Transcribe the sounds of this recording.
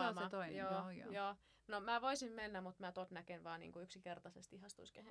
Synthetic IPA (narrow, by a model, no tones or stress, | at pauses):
omɑt̪oinjoːj̰joː | nomæːʋoisimmenːæmut̪mæːt̪ot̪nækenʋɑːnḭŋkuyksikert̪ɑsest̪ihɑst̪uiskæhe